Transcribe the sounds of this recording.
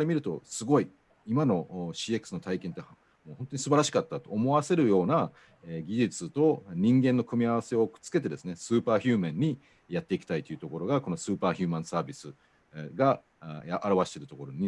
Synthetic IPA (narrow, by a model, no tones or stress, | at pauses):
ɾemʲiɾɯ̟t̪o̞̰sɨɡo̞i | imano̞ɕiːe̞kɯ̥sɨno̞t̪aikẽ̞nt̪ːe | moːhõ̞nt̪oɲ̟isɨbaɾaɕi̥kat̪ːat̪o̞ːmo̞βase̞ɾɯ̟jo̞ːna | eɡʲiʑit͡sɨt̪o̞ɲ̟ĩŋɡẽnːo̞kɯ̟mʲiaβ̞ase̞o̞̥t͡sɨ̥ke̞t̪̬e̞d̪e̞sɨne̞sɨːpaːçɨːmẽɲ̟ːi | jat̪ːe̞ikʲi̥t̪ait̪oiɯ̟t̪o̞ko̞ɾo̞ɡako̞nosɨːpaːçɨ̟ːmãɰ̃saːbʲisɨ | ɡa | ʔːɾaβaɕi̥t̪e̞ɾɯ̟t̪o̞ko̞ɾo̞ɲ̟i